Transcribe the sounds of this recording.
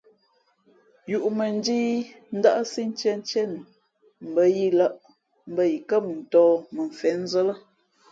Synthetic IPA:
ju˨ʔmə˨n˦diː˦ | n̩˦da˦ʔsi˦n˦t͡ʃɛ˦n˦t͡ʃɛ˦n˨ | m̩˨bə˦ji˦la˦ʔ | m̩˨bə˦ji˨kə˦˨p̚n̩˨tɔː˦mə˨ɱ˨fɛ˨˦n˦zə˦lə˦

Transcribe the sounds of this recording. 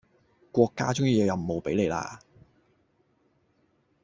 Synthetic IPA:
kʷɔː˧kːa̰ː˥t͡sʊ˥ŋjiː˨˧jwjɐ˨mmo˨˧wpe˨˥jle˨˧jla̰ː˧

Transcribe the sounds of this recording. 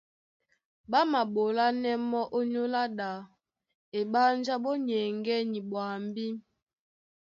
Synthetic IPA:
ɓa˦ma˨ɓo˨la˦nɛ˦mɔ˦ʔo˦ɲo˦la˦ɗa˨ | e˨ɓa˦n˦d͡ʒa˦ɓɔ˦ɲɛ˨ŋɡɛ˦ni˨ɓwa˨m˦bi˦m

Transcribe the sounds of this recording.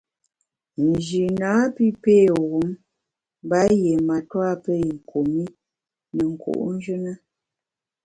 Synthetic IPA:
n̩˨d͡ʒi˨na˨˦pi˦peː˦˨ɣu˨˦m˦ | ba˦je˨ma˨twa˦pə˦i˨ŋ̩˨kʰo˨mi˦ | nə˨ŋ̩˨kʰo̰˨ʔn̩˦d͡ʒə˦nə˦

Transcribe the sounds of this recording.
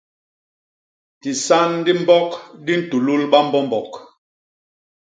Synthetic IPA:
ti˨sa˦ndi˦m̩˦bɔ˦kdi˦n̩˦tu˨lu˦lɓa˦m̩˦bɔ˦m˨bɔ˨k

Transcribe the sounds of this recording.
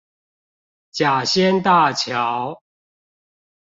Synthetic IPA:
t͡ɕja˨˩ɕjɛ˦nt̪a˥˨t͡ɕʰjɑ˨˦ʊ

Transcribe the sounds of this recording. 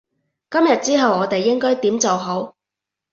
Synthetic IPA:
kɐ˥mjɐ˨t̚t͡siː˥ɦɐ˨wɔː˨˧t̪e˨jːɪ˥ŋkɔː˥jt̪iː˨˥mt͡so˨wɦo˨˥w

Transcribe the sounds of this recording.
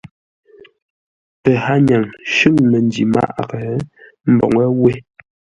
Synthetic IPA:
pɛ˨ha˦ɲa˨ŋʃʉ˦˨ŋmɛ˨n˦di˨ma̰˦˨ʔɣɛ˨ | m̩˦bɔ̰˨ŋə˦we˦

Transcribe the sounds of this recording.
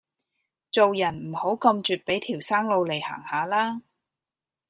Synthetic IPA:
t͡so˨wjɐ˨˩nm̩˨˩ho˨˥wkɐ˧mt͡ʃyː˨˧t̚pe˨˥jt̪ʰiː˨˩wsaː˥ŋlo˨˧wle˨˩jha̰ː˨˩ŋhaː˨˧laː˥

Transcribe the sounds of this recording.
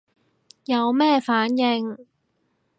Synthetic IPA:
jɐ˨˧wmɛː˥˧faː˨˥njɪ˧ŋ

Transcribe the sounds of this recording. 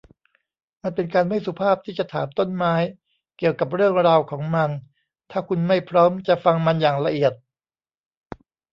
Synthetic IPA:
ma˧npe˧nkaː˧nma˥˩jsu˨˦pʰaː˥˩p̚t̪ʰiː˥˩t͡ɕa˨˩t̪ʰaː˩˦mt̪o˥˩nmaː˦˥j | ki˨˩əwka˨˩p̬̚ɾɯ˥˩əŋɾaː˧wkʰɔː˩˦ŋma˧n | t̪ʰaː˥˩kʰu˧nma˥˩jpʰɾɔː˦˥mt͡ɕa˨˩ʔfa˧ŋma˧njaː˨˩ŋɾa˧ʔi˨˩ət̪̚

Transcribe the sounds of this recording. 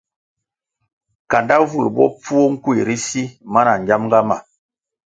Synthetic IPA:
ka˨nda˦vu˦˨ɾbɔ̰˦p͡fu˦o˦ŋ̩˦kwi˨ɾi˦si˦ma˦na˨ɲ˨d͡ʒa˦mŋɡa˦ma̰˨

